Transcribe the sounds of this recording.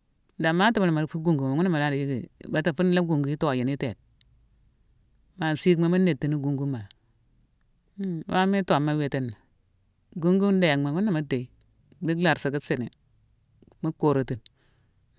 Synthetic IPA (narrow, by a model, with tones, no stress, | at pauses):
da˨ma˦ta˦ma˨n˨ma˨fu˦ɡu˦˨ŋɡu˨ma˨ŋu˦na˦ma˨la˦di˨ji˦ɡi˨ba˨˦ta˨fu˦n˦la˦ɡu˨ŋɡu˨ji˦to˦˨ji˨ni˦te˨t̚ | ma˨si˦kma˦ma˦ne˨tːi˨ni˦ɡu˨ŋɡu˦ma˨˦ | wa˦mi˦to˨mːa˦we˨te˦na˨ | ɡu˦ŋɡu˦da˨ja˨kma˨ŋu˦nːa˨ma˦de˨i˦ | di˦ɡla˨ɾsa˨ki˦se˨nḛ˨ | mu˦ko˨ɾo˨ti˦n